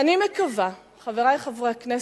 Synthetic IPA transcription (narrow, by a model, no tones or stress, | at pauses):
animekava | χaveʁajχavʁejaknes